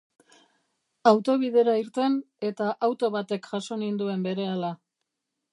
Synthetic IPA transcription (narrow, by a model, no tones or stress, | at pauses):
awt̪o̞β̞iðe̞ɾaiɾt̪e̞n | e̞t̪aʔawt̪o̞βat̪e̞kʝaso̞nind̪ue̞mbe̞ɾe̞ala